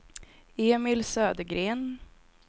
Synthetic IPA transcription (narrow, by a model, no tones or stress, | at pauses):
eːmɪlsøːd̪əɡɾeːn